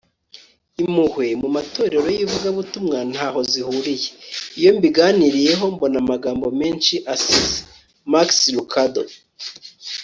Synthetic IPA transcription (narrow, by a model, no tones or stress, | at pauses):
imuhwe̞mumato̞ːɾe̞ɾo̞jivuɡaβutumŋan̥haːɦo̞zihuɾijeijo̞mbiɡaniɾije̞ɦo̞mbo̞namaɡaːmbo̞meːnʃiʔasize | makslukʰado̰